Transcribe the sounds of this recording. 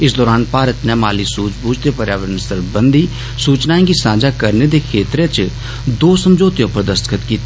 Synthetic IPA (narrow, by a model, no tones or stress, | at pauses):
ɪsd̪ɔːɾaːnpaːɾət̪nɛːma̰ːliːsuːt͡ʃbuːd͡ʒt̪eːpəɾjaːʋəɾənsəɾbənd̪iː | suːt͡ʃnaːẽːɡiːsãːd͡ʒaːkəɾneːd̪eːkʰeːt̪ɾeːt͡ʃ | d̪oːsəmd͡ʒoːt̪ejõːpəɾd̪əst̪kʰət̪kiːt̪eː